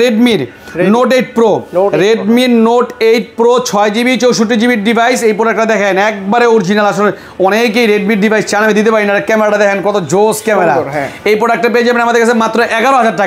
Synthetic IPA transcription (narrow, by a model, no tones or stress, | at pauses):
ɾeɖmiɾ | noʈeʈ̚pɾoɾeɖmiɾnoʈejʈ̚pɾot͡ɕʰɔed͡ʑibit͡ɕowʃoʈ̬ːid͡ʑibiʈɖibʱajsejpɾoɾak̚ʈad̪ɛkʰenɛk̚baɾeoɾd͡ʑinalaʃole | ɔnekejɾeɖmiʈɖibʱajst͡ɕanamid̪it̪̬epaɾinaɾekɛmeɾaʈad̪ɛkʰenkɔt̪od͡ʑoskɛmeɾa̰ejpoɾɛk̚ʈːap̬eed͡ʑabenamad̪eɾkat͡ɕʰemat̪ːɾoʔɛɡaɾoɦad͡ʑaɾʈːaka